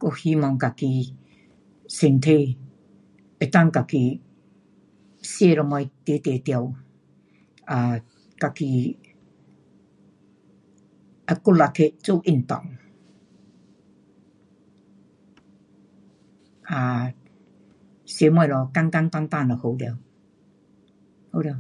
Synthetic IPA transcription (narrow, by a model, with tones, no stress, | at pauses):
ko˥˧˩hi˧˦mɔ˧ŋka˨ki˧ | se˨˧˨nt̪ʰe˧ | e˨t̪a˥˨ŋka˨ki˧˨ | sje˧ɾɔ˧mɔ˧jt̪e˨˦t̪e˨˩t̪ja˧˩w | a˨ | ka˨˧˨ki˧ | a˨˧ku˥t̚la˧˨k̪ʰe˧˨ʔt͡so˥˧˨ʔi˥˩nt̪ɔ̰˨ŋ | ʔa˨ | sje˨˧˦mɔ˧˨jlɔ˨˧ka˥˧ŋka˧ŋt̪a˧ŋt̪a˥˨nɔ˨ho˨˧˦li˧w | ho˧˨lw